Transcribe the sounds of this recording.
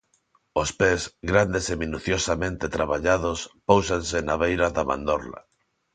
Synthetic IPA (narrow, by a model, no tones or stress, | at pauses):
ospezɣɾand̪esemĩnuθjosamẽnt̪et̪ɾaβaʎaðospowsansenaβejɾaðamã̰nd̪oɾla̰